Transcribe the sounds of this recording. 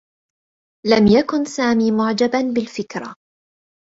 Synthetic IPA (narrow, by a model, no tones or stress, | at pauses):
lamjakʊnsaːmiːmʊʕd͡ʒabanbɪlfɪkɾˤa̰